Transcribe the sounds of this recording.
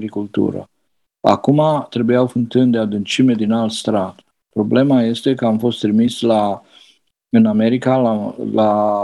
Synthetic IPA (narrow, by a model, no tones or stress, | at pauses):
ɾikult̪ṵɾə̰ | a̰kumat̪ɾe̞bujawfɨnt̪ɨnd̪ead̪ɨnt͡ʃimed̪inalt̪st̪ɾat̪ | pɾo̞ble̞maje̞st̪e̞kəamfo̞st̪ːɾimisla | ɨname̞ɾikalala